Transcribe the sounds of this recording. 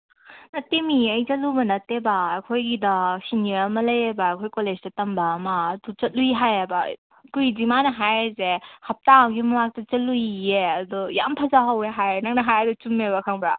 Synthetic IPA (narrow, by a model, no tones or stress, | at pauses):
nɐtːemiɐjt͡ʃɐlubɐnɐtːebɐːjkʰojɡidɐsiniɾɐmɐlɐjebɐːjkʰojkolezdɐtɐmbɐːmɐːdut͡ʃɐt̚luiɦajebɐ | kuidimanɐɦajezehɐp̚taːwɡimɐmak̚tɐt͡ʃɐlujeɐdɔja̰mpʰɐzaɦaweɦajenɐk̚nɐɦajadut͡ʃumebɐkʰaŋbɾa